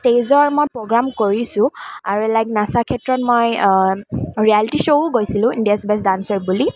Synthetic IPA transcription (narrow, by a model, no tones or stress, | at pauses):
tejzɔɹmojpɹɔɡɹamkoɹisʊ̃aɹuɛlajknasakʰɛtɹɔt̚moj | ɹialitiʃoʊɡojsilʊ̃indiasbɛsdansɔɹbuli